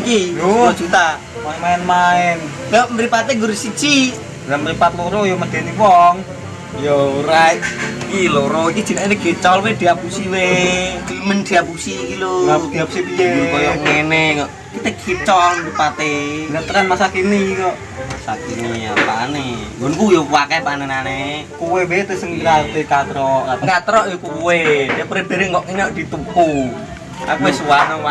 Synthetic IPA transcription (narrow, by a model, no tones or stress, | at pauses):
kiod͡ʒut̪a | mamaɛnmaɛnjomɾipat̪eŋɡuɾisit͡ʃi | ɾamɾipat̪̚loɾojoməd̪̥e̤niwɔŋ | joɾajtkiloɾoiki̥d͡ʒ̥i̤naineɡ̥it͡ʃɔlwed̪̥iapusiwed̥imənd̪̥iapusikiloŋapud̪iapusibiekɔjɔŋenɛkɔʔ | kit̪eɡʰit͡ʃɔlupat̪enət̪əɾanmasakinikɔʔ | masakinia̰pa̰neɡɔnkujokuwakɛpanenanekuwewet̪esəŋɡəɾalt̪ekat̪ɾɔʔakat̪əɾɔʔjokuweapuɾed̥e̤ɾeŋɔʔiɲɔʔd̥i̤t̪upu | akuesuwanɔwa